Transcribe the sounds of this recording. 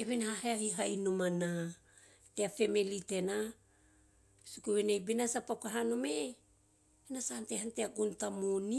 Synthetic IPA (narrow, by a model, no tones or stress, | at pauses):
eβenahaɦeahiɦajnumana | teafemelitena | sukuβenajbenasapakaɦanome | enasaantehanteaɡuntamoni